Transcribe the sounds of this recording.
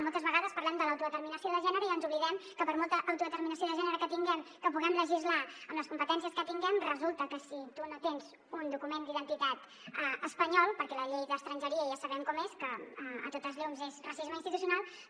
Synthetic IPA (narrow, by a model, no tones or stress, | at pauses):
mɔlˠt̪əzβəɣaðəspəɐɾlɛmd̪ələwt̪uðət̪əɾminəsioðəʒɛnəɾəiənzuβliðɛmkəpəɾmɔlˠt̪əʔːwt̪uðət̪əɾminəs̬ioðəʒɛnəɾəkət̪iŋɡɛmkəpuɣɛmləʒizlaəmləskumpət̪ɛns̬iəskət̪iŋɡɛmrəzulˠt̪əkəsit̪unot̪enz̥ | und̪ukumend̪iðənt̪it̪at̪ | əəspəɲɔlˠpəɾkɛləʎejðəst̪ɾənʲʒəɾiəʒasəβɛmkɔmeskəə̰t̪ot̪əzʎumzezrasizməinst̪it̪usiunalˠ